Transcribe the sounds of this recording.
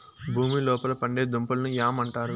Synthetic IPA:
bʱuːmilɔːpɐlɐpɐɳɖe̞ːd̪umpɐlɐnujaːmɐɳʈaːɾu

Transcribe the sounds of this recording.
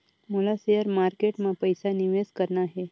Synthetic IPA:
mulasejəɾmaɾkeʈmapəjsaniʋeskəɾɳaːɦe

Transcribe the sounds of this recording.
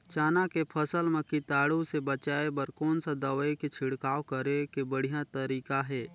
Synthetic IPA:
t͡ʃaːnakepʰəsəlmẽkit̪aːɽusebət͡ʃaːebəɾkoːnsad̪əʋeket͡ʃʰɪɽkaːwkəɾekebəɽ̤ijãt̪əɾiːkaɦɛː

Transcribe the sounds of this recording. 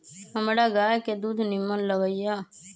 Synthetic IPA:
əmɽaːɡaːjked̪uːd̪nɪmːənləʋəijaː

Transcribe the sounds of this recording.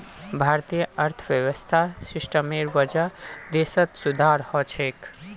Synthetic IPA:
bʱaɾt̪ijəəɾt̪ʰəʋjəʋəst̪ʰasiʃʈəmeɾʋəd͡ʒad̪esət̪sud̪ʱaɾhɔt͡ʃʰek

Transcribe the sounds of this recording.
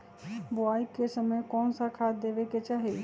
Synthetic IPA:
bʊaːikːesəməjkɔːnsakʰaːt̪d̪eːʋeket͡ʃaːɦe

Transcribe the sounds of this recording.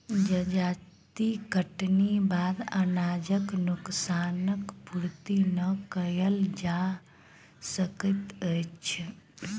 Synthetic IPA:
d͡ʒəd͡ʒat̪ikəʈnibad̪ə̰nad͡ʒəknuksanəkpuɽt̪inəkəjəld͡ʒa | səkət̪ət͡ʃʰ

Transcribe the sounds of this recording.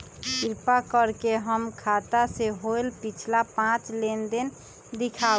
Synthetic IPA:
fiɾpakəɾkeɦəmkʰat̪aseɦoelpit͡ʃʰlapãt͡ʃlend̪en | d̪ikʰa

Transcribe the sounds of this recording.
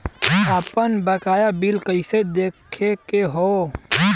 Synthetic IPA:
aːpənbəkaːjabilkəɪsed̪eːkʰekeɦoː

